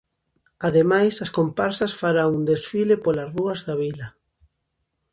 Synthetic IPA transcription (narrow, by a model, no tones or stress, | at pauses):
aðemajsɐskompaɾsɐsfaɾaŋund̪esfilepolazruɐzðaβilɐ